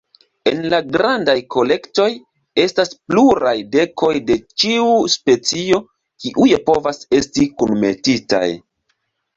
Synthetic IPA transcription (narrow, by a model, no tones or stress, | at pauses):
e̞nlaɡɾandajko̞le̞kto̞j | e̞staspluɾajde̞ko̞jde̞t͡ʃiuspe̞t͡sio̞ | kiʔujepo̞vase̞stikunme̞̰tita̰j